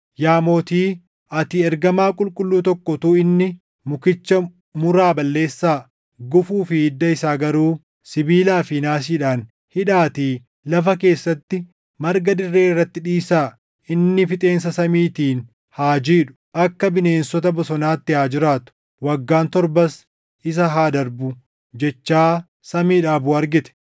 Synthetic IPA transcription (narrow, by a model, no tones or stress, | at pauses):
jaːmoːt̪iː | ɐt̪ɪɛɾɡɐmaːkʼʊlkʼʊlːuːt̪ɔkːɔt̪uːɪnːɪ | mʊkɪt͡ʃːɐ | mʊɾaːbɐlːe̞ːsːaː | ɡʊfuːfɪɪd̪ːɐɪsaːɡɐɾuː | sɪbiːlaːfɪnaːs̬iːᶑaːn | hɪᶑaːt̪iː | lɐfɐke̞ːsːɐt̪ːɪ | mɐɾɡɐd̪ɪrːe̞ːɪrːɐt̪ːɪᶑiːsaː | ɪnːɪfɪt̪ʼe̞ːnsɐsɐmiːt̪iːn | haːd͡ʒiːᶑʊ̥ʔɐkːɐbɪne̞ːnsɔt̪ɐbɔsɔnaːt̪ːɪaːd͡ʒɪɾaːt̪ʊ̥ | wɐɡːaːnt̪ɔɾbɐs | ɪs̬ɐɦaːd̪ɐɾbʊ | d͡ʒɛt͡ʃːaː | sɐmiːᶑaːbʊɐɾɡɪt̪ɛ̥